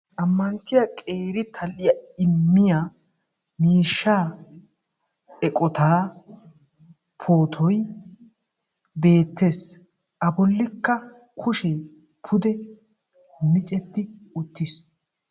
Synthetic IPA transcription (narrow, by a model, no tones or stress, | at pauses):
ʔɐmːɐnt̪ːɪjɐkʼe̞ːɾɪt̪ʰɐlɪjɐɪmːɪja | miːʃːaː | ɛkʼɔt̪aː | pʰo̞ːt̪ʰɔj | be̞ːt̪ːe̞ːs | ʔɐbɔlːɪkːɐ | kʰʊʃɛ | pʰʊd̪ɛ | mɪt͡ʃʼɛt̪ːɪʊt̪ːɪs